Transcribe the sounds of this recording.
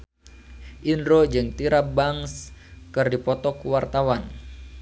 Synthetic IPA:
ʔindɾod͡ʒɨŋt̪iɾabaŋskɨrdipɔt̪ɔkuwart̪awan

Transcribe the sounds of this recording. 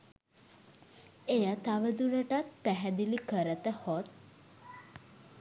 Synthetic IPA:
ejət̪aʋəd̪uɾəʈat̪̚pæɦɛd̪ilikəɾət̪əhot̪̚

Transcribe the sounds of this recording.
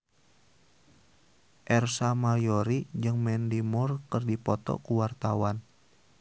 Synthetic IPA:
ʔɛrsamajoɾid͡ʒɨŋmɛndimɔrkərdipɔt̪ɔ̰kuwart̪awan

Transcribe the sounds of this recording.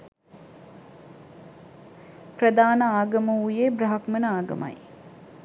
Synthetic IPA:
prəd̪aːnəaːɡɐməujebrɐɦakmənəaːɡə̰mʔa̰j

